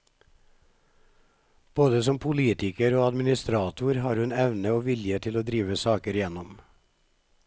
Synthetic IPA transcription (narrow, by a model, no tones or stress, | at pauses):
b̥oːd̪əsɔmpʰʊliːt̪ɪkəɾoːɑd̪mɪnɪst̪ɾɑːt̪ʰʊɾhɑːɾhʉnɛʋnəoːʋɪljət̪ʰɪloːd̪ɾiːʋəsɑːkəɾɪjɛnɔm